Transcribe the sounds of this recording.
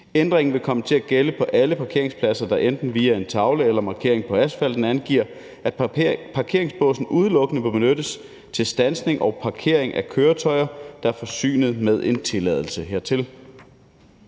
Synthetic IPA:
end̥ʁeŋn̩ʋe̝kʰɒ̽mət͡sʰe̝læɡ̥eləpʰɒ̽ʔæləpʰɑ̈kʰe̝ɐe̝ŋspʰlæsɐd̥ɑ̈ʔend̥n̩ʋiːæe̝nt͡sʰɑ̈ʊləelɐmɑ̈ːkʰe̝̰ɐ̰eŋpʰɒ̽æsfæl̰d̥n̩ænɡ̥iɐ̰ | æd̥̚pʰɑ̈kʰe̝̰ɐ̰e̝ŋsb̥ɔ̰̽ːsn̩ʔuð̞ˠlɔ̽ɡ̥ənəʋeb̥enødəs | t͡sʰe̝lsd̥ænsne̝ŋʔɒʊpʰɑ̈kʰe̝ɐ̰eŋʔækʰøːɐt͡sʰɒ̽ɪɐd̥ɑ̈æɐfɒ̽sy̰ːnð̩ˠmeðˠe̝nt͡sʰe̝lɛð̞ˠl̩səɦeɐ̰t͡sʰe̝l

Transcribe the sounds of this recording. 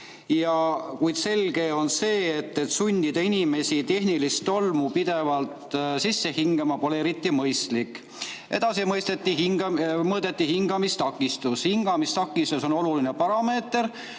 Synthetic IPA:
jɑkujd̪se̞lɡ̥e̞o̞nse̞ːt̪ːet̪sunʲd̪id̪̥ɑinime̞sit̪e̞hnilist̪o̞lmupid̪̥e̞vɑlt̪sisːe̞hiŋɡ̥emɑpo̞leeɾit̪ˑːimɤjst̪likːˑ | ʔe̞d̪̥ɑsimɤjst̪et̪ːiɦiŋɡmɤːt̪et̪ːihiŋɡɑmist̪ɑkːˑist̪ushiŋɡ̥ɑmist̪ɑkːˑist̪uso̞no̞luline̞pɑɾɑme̞ːt̪ːˑeɾ

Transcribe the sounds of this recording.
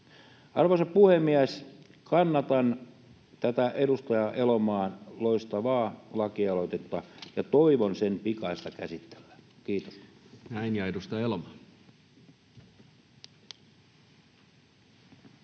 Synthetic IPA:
ɑrʋosɑpuhemːiæs | kɑnːɑt̪ɑn | t̪æt̪æʔedust̪ɑjɑʔelomɑːnloist̪ɑʋɑːlɑkiɑlot̪et̪ːɑjɑt̪oiʋonsenpikɑist̪ɑkæsit̪ːe̥lːækiːt̪o̥snæinjɑedust̪ɑelomɑˑn

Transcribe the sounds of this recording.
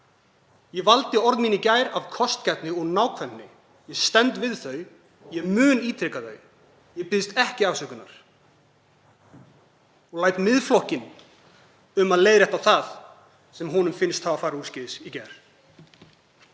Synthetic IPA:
jɛvalt̪ɪɔɾðmiːnicaːjɾav̥kʰɔst̪cɛt̪nɪɔɣnaːwkʰvɛnnɪ | jɛst̪ɛnt̪vɪðθœɥ | jɛmʏːniːt̪ʰɾɪkaθœ̰ɥ | jɛpɪðst̪ɛhcɪavsœkʏna̰ɾ̥ | ɔlaːjt̪mɪðflɔhcɪn | ʏmaðleːjðɾɛht̪awθað | sɛmɦunʏmfɪnst̪havafaːɾauːscɪðɪsicɛjɾ̥

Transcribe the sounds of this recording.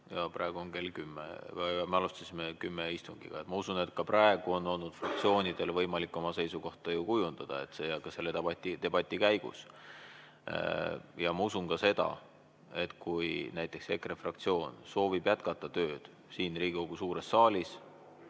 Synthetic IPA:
jɑprɑe̞ɡ̥uonke̞lkymːḛɑɑmeɑlust̪ɑsʲimekymːeist̪uŋɡ̥ḭɡ̥ɑ̰e̞t̪mɑusune̞t̪kɑprɑe̞ɡ̥uo̞nːo̞lnud̪̥frɑk̚t̪sio̞ːnid̪̥e̞lvɤ̞jmɑlikːˑo̞mɑse̞jsuko̞ht̪ɑjukujund̪̥ɑd̪̥ɑe̞t̪sejɑkːɑse̞lːet̪ebɑt̪ʲːit̪e̞b̥ɑt̪ʲːˑikæjɡ̥ṵs | jɑmɑusunkɑse̞d̪̥ɑ̰ | e̞t̪kujnæjt̪ːˑe̞kse̞krefrɑkt̪sio̞ːnso̞ːvib̥jæt̪kɑt̪ːˑɑt̪ø̞ːd̪̥ | siːnriːɡikoɡ̥usuːɾe̞sːɑːlʲis

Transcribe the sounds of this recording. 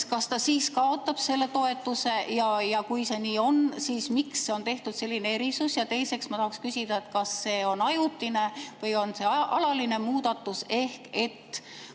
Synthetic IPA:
kɑst̪ɑsiːskɑo̞t̪ːˑɑb̥se̞lːe̞t̪o̞e̞t̪ːˑuse̞jɑjɑkujse̞ːniːo̞nsiːsmiksːe̞o̞nt̪e̞ht̪ud̪̥se̞lʲːine̞e̞ɾisusjɑt̪e̞jse̞ksmɑt̪ɑhɑkskysid̪̥ɑet̪kɑsːe̞ːonɑjut̪ːˑine̞vɤjo̞nse̞ɑʔɑlɑline̞muːd̪̥ɑt̪ːˑuse̞hke̞t̪ː

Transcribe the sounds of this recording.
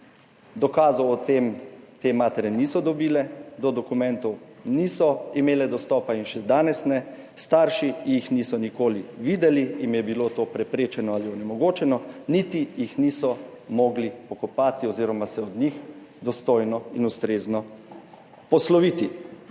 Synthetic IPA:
d̪ɔkaːzɔwɔt̪emt̪emaːt̪ɛɾjɛnisɔd̪ɔbiːlɛd̪ɔd̪ɔkumɛnt̪ɔw | nisɔimeːlɛd̪ɔst̪ɔːpainʃɛd̪aːnɛsnɛ | st̪aːɾʃijixnisɔnikoːliʋiːd̪ɛliimjɛbilot̪oːpɾɛpɾeːt͡ʃɛnɔaliɔnɛmɔɡoːt͡ʃɛnɔnit̪ijixnisɔ | mɔːɡlipɔkɔpaːt̪iɔziːɾɔmasɛɔd̪nix | d̪ɔst̪ojnɔinust̪ɾeːznɔ | pɔslɔʋiːt̪i

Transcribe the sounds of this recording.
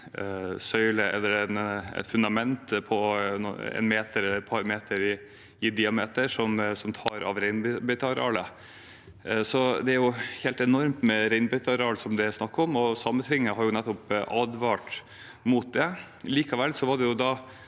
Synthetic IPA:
sœʏləʔɛ̰lːəɾɛnɛ̰t̪fʉnd̪ɑmɛnt̪pʰɔ | ɛ̰nmeːt̪əɾɛləɛt̪pʰɑɾmeːt̪ʰəɾɪ | ɪd̪ɪɑmeːt̪əʂɔmsɔmt̪ʰɑːɾɑ̰ʋɾɛɪnbɛt̪ʰɑɾɑ̰ːlə | sɔd̪ɛæɾjʊheːlt̪ɛnɔɾmt̪mɛɾɛɪnbɛt̪ʰɑɾɑːlsɔmd̪ɛsnɑkːɾɔmɔsɑmːət̪ʰɾɪŋːəɦɑɾjʊnɛt̪ːɔpʔɑd̪ʋɑʈ | mut̪̚d̪ɛ | liːkɑʋɛlːsɔʋɑɖɛjʊd̪ɑː

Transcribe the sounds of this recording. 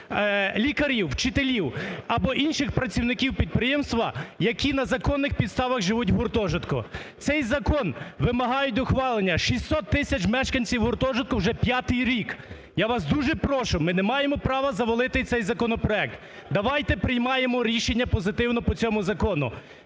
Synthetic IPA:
lʲikɐɾʲiwt͡ʃɪt̪elʲiwɐbɔʔinʃɪxpɾɐt͡sʲiwnɪkʲiwpʲid̪̚pɾɪjɛmst̪ʋɐjɐkʲinɐzɐkɔnːɪxpʲid̪st̪ɑʋɐɣʒɪʋut̬ʲɦʊrt̪ɔʒɪt̪kɔt̪sɛjzɐkɔnʋɪmɐɦɑjʊt̚ʲd̪ɔxʋɑlˠenʲːɐʃisʲːɔt̪ːɪsʲɐt͡ʃmɛʃkɐnʲt͡sʲiwɦʊrt̪ɔʒɪt̪̚kɔwʒɛpʲjat̪ɪjɾʲik | jaʋɑsd̪uʒɛpɾɔʃʊmɪnɛmɑjemɔpɾɑʋɐzɐʋɔlˠɪt̪ɪt̪sɛjzɐkɔnɔpɾɔɛk̚t̪ | d̪ɐʋɑjt̪ɛpɾɪjmɑjemɔɾʲiʃenʲːɐpɔzɪt̪ɪwnɔpɔt͡sʲɔmʊzɐkɔnʊ̰

